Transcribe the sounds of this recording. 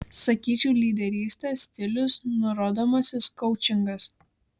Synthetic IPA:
sɐkʲiːt͡ʃʲɛʊlʲiːd̪ʲɛɾʲiːsʲt̪ʲesʲt̪ʲɪlʲʊsnʊɾoːd̪oːmɐsʲɪskɔʊt͡ʃʲɪŋɡɐs

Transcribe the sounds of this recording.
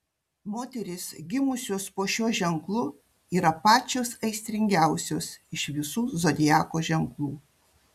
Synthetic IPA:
moːt̪ʲɛɾʲɪsʲɡʲɪmʊsʲoːspoːʃʲuɔʒʲɛŋklˠʊ | iːɾɐpɑːt͡ʃʲoːsɐɪsʲt̪ʲɾʲɪŋʲɡʲæʊsʲoːsɪʃʋʲɪsuːzoːd̪ʲɪjɑːkoːʒʲɛŋklˠuː

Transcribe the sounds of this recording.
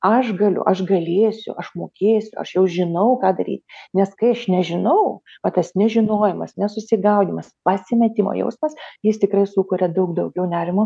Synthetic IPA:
ɐʃɡɐlʲʊ̰ʔɐʃɡɐlʲeːsʲʊ̰ʔɐʃmoːkʲeːsʲʊɐ̰ʃjɛʊʒʲɪnɐʊkɑːd̪ɐɾʲḭːt̪ʲnʲɛskɐɪɐʃnʲɛʒʲɪnɐʊʋɐt̪ɐsnʲɛʒʲɪnoːjɛmɐsnʲɛsʊsʲɪɡɐʊd̪ʲimɐspɐsʲɪmʲɛt̪ʲɪmo̰jɛ̰ʊsmɐsjɪst̪ʲɪkrɐɪsʊkʊɾʲɛd̪ɐʊkd̪ɐʊɡʲɛʊnʲæːɾʲɪmʊ

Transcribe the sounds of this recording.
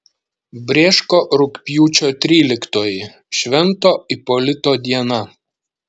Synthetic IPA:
bʲɾʲeːʃkoːʔɾʊkʲpʲjuːt͡ʃʲoːt̪ʲɾʲiːlʲɪkt̪oːjɪ | ʃʲʋʲɛnt̪oːipɔlʲɪt̪oːd̪ʲiɛnɐ

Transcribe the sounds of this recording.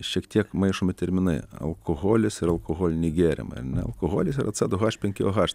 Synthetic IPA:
ʃʲiɛkt̪ʲiɛkmɐɪʃʊmʲɪt̪ʲɛɾʲmʲɪnɐɪɐ̰lˠkʰoɣoːlʲɪsɪɾɐlˠkoɣoːlʲnʲɛɪɡʲæːɾʲɪ̰mɐ̰ɐ̰ɾnʲɛɐ̰lˠkoɣoːlʲɪsɪɾɐt̪sɑd̪ʊɣɑʃʲpʲɛŋʲkʲɪoɣɑʃ

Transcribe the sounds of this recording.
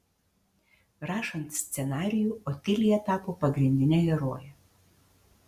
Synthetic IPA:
ɾɑːʃɐnt̪sʲt̪sʲɛnɑːɾʲɪjuːoːt̪ʲɪlʲɪjɛt̪ɑːpoːpɐɡɾʲɪnʲd̪ʲɪnʲɛɡʲɛɾoːjɛ

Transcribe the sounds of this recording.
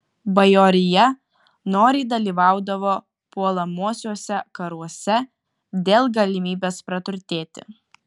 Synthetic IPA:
bɐjoːɾʲɪjɛ | noːɾʲɛɪd̪ɐlʲiːʋɑˑʊd̪ɐʋoː | puɔlˠɐmuɔsʲuɔsʲɛkɐɾuɔsʲɛ | d̪ʲeːlˠɡɐlʲɪmʲiːbʲeːspɾɐt̪ʊɾʲt̪ʲeːt̪ʲɪ̰

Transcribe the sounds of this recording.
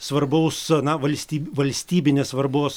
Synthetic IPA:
sʋɐrbɐʊsnɐʋɐlʲsʲt̪ʲiːʋɐlʲsʲt̪ʲiːbʲɪnʲeːsʋɐrboːs

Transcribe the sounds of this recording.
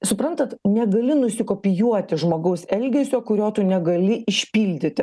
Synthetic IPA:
sʊpɾɐnt̪ɐt̪nʲɛɡɐlʲɪnʊsʲɪkoːpʲɪjuɔt̪ʲɪʒmoːɡɐʊsɛlʲɡʲɛsʲoːkʊɾʲoːt̪ʊnʲɛɡɐlʲɪʔɪʃʲpʲiːlʲd̪ʲɪt̪ʲɪ

